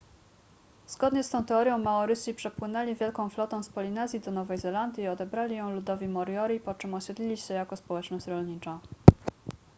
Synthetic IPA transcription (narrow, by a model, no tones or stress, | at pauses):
zɡɔd̪ɲɛst̪ɔ̃w̃t̪ɛɔɾʲjɔ̃w̃maɔɾɘɕipʂɛpwɘnɛlʲivʲjɛlkɔ̃w̃flɔt̪ɛ̃w̃spɔlʲinɛzʲjid̪ɔnɔvɛjzɛland̪ʲjiːɔd̪ɛbɾalʲijɔ̃w̃lud̪ɔvʲimɔɾjɔɾʲipɔt͡ʂɘmɔɕɛd̪lʲilʲiɕɛjakɔspɔwɛt͡ʂnɔɕt͡ɕɾɔlʲɲit͡ʂa